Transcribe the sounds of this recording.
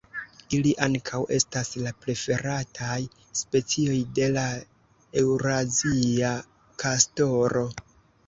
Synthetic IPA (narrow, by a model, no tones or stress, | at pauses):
iliʔaŋkʰawʔe̞staslapɾe̞fe̞ɾatʰaj | spe̞t͡sio̞jde̞la | ewɾazia | kʰasto̞ɾo̞